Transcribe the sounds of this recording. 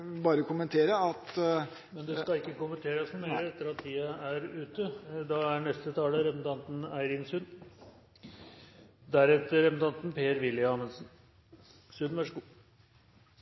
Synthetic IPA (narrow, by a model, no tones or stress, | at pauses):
bɑːɾəkʰʊmənt̪ʰeːɾəɑt̪ | mɛnd̪ɛskɑɪkːəkʊmənt̪ʰeːɾəsnʊmeɪɾəɛt̪ːəɾɑt̪ʰːiːəæɾʉːt̪əd̪ɑæɳɛst̪ət̪ʰɑːləɾɛpənt̪ʰɑnt̪n̩æɪɾɪnsʉnː | d̪æɾɛt̪ːəɾɛpənt̪ɑnt̪npeːəɾʋɪljɑːmənsn | sʉnʋæʂəɡuː